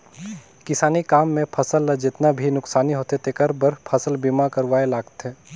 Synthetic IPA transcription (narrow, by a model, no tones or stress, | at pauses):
kɪsaːnikaːmːẽpʰɐsəlad͡ʒɪt̪nabʱinʊksaːniɦoːt̪et̪ekɐɾbəɾpʰɐsəlbiːmakɐɾʋaːelaːɡt̪ɦeː